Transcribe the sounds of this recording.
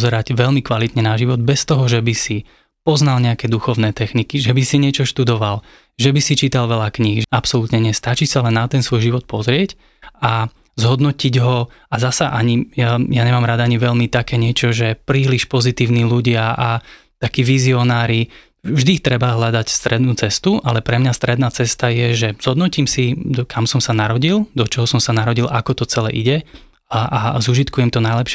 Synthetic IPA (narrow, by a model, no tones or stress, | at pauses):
zɛɾaɟʋɛlmikʋalit̪ɲɛnaʒiʋɔd̪̚bɛst̪ɔɦɔʒɛbisi | pɔznalɲɛakɛːd̪uxɔʊnɛːt̪ɛxnikiʒɛbisiɲɪɛt͡ʃɔʃt̪ud̪ɔʋal | ʒɛbisit͡ʃiːt̪alʋɛlakɲiɣapsɔlut̪ɲɛɲɛst̪at͡ʃisalɛnːat̪ɛnsʋɔjʒiʋɔt̪̚pɔzɾɪɛc | a | zɦɔd̪nɔciɟɦɔ | azasaʔaɲijajaɲɛmaːmɾad̪aɲiʋɛʎmit̪akɛːɲɪɛt͡ʃɔʒɛpɾiːliʃpɔzit̪iːʊniːluɟɪaʔa | t̪akiːʋiziɔnaːɾi | vʒd̪it̪ɾɛbaɦlad̪acst̪ɾɛd̪nuːt͡sɛst̪uʔalɛpɾɛmɲast̪ɾɛd̪naːt͡sɛst̪ajɛʒɛz̥ɦɔd̪nɔcimsid̪ɔkʰamsɔmsanaɾɔɟild̪ɔt͡ʃɔɦɔsɔmsanaɾɔɟilʔakɔt̪ɔt͡sɛlɛ̰ːʔiɟɛ | ʔazuʒit̪kujɛmt̪ɔnajlɛpʃ